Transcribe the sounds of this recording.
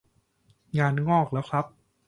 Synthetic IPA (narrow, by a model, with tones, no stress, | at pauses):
ŋaː˧nŋɔː˥˩k̚lɛː˦˥wkʰɾa˦˥p̚